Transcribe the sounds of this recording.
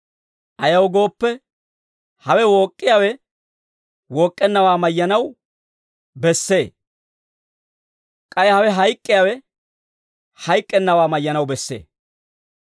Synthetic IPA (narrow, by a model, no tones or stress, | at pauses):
ʔɐjɐwɡo̞ːpːɛ | hɐwɛwoːkʼːɪjaːwɛ | woːkʼːɛnːɐwaːmɐjːɐnɐw | bɛsːe̞ː | kʼɐjhɐwɛɦɐjkʼːɪjaːwɛ | hɐjkʼːɛnːɐwaːmɐjːɐnɐwbɛsːe̞̰ː